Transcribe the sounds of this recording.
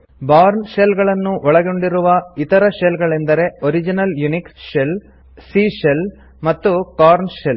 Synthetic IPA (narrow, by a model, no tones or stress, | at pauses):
baːɾnʃelɡɐɭɐnːuʔɔɭɐɡoɳɖiɾuʋɐit̪ɐɾɐʃelɡɐɭend̪ɐɾe̞oɾid͡ʒinɐljuniksʃel | siʃel | mɐt̪ːukaːɾnʃel